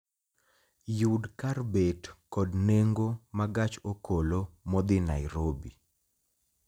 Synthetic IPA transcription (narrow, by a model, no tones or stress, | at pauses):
judkarbetkɔdneŋɡomaɡat͡ʃokolomɔd̪ɪna̰ɪɾobḭ